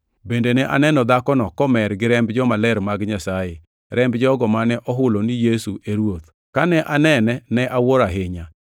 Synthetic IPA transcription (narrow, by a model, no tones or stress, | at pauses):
bendenɛʔa̰nɛnɔd̪akɔnɔkɔmɛɾɡɪɾɛmbd͡ʒɔmalɛɾmaɡɲasaje | ɾɛmbd͡ʒɔɡɔmanɛʔɔɦʊlonijesuʔeɾwot̪̚ | kanɛʔanɛnɛnɛʔawoɾaɦɪɲa